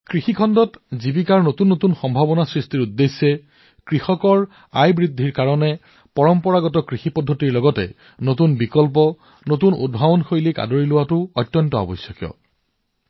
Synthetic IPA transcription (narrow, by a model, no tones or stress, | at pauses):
kɹixikʰɔndɔtzibikaɹnotunːotunxɔmbʱabɔnasɹistiɹudːesːɛ | kɹixɔkɔɹ | ajbɹidʱiɹkaɹɔnɛ | pɔɹɔmpɔɹaɡɔtɔkɹixipɔdʱːɔtiɹlɔɡɔtɛ̰ | notunbikɔlpɔ | notunṵd̚bʱabɔnxojlika̰doɹilʊwatʊɔtːjɔntɔa̰bɔsɔkjɔ̰